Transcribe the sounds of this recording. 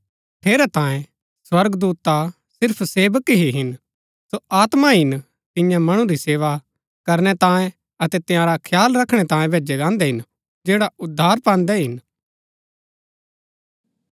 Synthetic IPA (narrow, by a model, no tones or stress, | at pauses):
ʈʰeːɾɛt̪ãːjẽ | swɐɾɡd̪uːt̪a | sɪɾpʰseːʋəkɦiɦɪn | soaːt̪maɦɪn | t̪ɪ̃jãmɐɽ̃ũɾiseːʋa | kɐɾñɛt̪ãːẽ | ɐt̪ɛt̪ɪjãːɾakʰjaːlɾɐkʰːɽ̃ɛt̪ãːjẽbʱeːd͡ʒɛd͡ʒãːnd̪ɛɦɪn | d͡ʒeːɽaʊd̪ʱːaːɾpãːnd̪ɛɦɪn